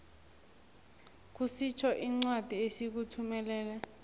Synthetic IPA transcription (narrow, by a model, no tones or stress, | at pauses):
k̬usit͡ʃʰɔʔiŋ͡ǀwad̥ʱiesik̬utʰumɛlɛːlɛ